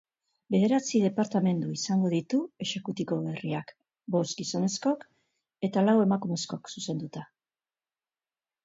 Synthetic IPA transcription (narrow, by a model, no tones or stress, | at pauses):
be̞ðe̞ɾat͡sið̞e̞paɾt̪ame̞nd̪uisaŋɡo̞ð̞it̪ue̞ʃe̞kut̪iko̞βeriak | bo̞zɡiso̞ne̞sko̞k | e̞t̪alawe̞makume̞sko̞ksuse̞nd̪ut̪a